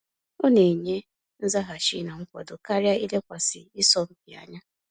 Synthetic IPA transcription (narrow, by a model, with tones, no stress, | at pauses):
o˦ne˨ɲe˦ | n̩˦za˦ɦa˨ʃi˦na˨ŋ̩˦kʷɔ̰˨dʊ˨ka˦ɾja˦i˦le˦kʷa˨sɪ˨ɪ˦sɔ˦m̩˦bɪ˨a̰˨ɲa˦